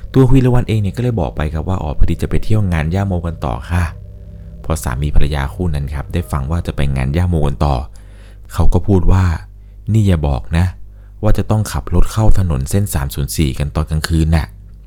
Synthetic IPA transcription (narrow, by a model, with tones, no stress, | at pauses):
t̪u˧ɐkʰwi˧˨la˦˧wa˧nʔeː˧ŋni˥˩kɔː˥˩lɤː˥˩jbɔ̰ː˨˩k̚pa˧jkʰa˦p̚waː˥˩ʔɔ̰ː˨˩pʰa˧di˨˧t͡ɕa˨˩pa˧jt̪ʰi˥˩əwŋaː˧njaː˥˩moː˧ka˧nt̪ɔ̰ː˨˩kʰa˧˥˩ | pʰɔ˧sa̰ː˩˦mːiː˧pʰa˧la˧ja̰ː˧kʰuː˥˩na˦˥nkʰa˦˥p̚daː˥˩jfa˧ŋwaː˥˩t͡ɕa˨˩pa˧jŋa̰ː˧njaː˥˩moː˧ka˧nt̪ɔ̰ː˨˩ | kʰa˦˥wkɔː˥˩pʰuː˥˩t̪̚waː˥˩ | niː˥˩jaː˨˩bɔ̰ː˨˩k̚na˦˥ | waː˥˩t͡ɕa˨˩t̪ɔ˥˩ŋkʰa˨˩p̚lo˦˥t̪̚kʰa˥˩wt̪ʰa˧no̰˨˩˦nse˥˩nsaː˩˦msuː˩˦nsiː˨˩ka˧nt̪ɔː˨˩nka˧ŋkʰɯː˧nːa˧˩ʔ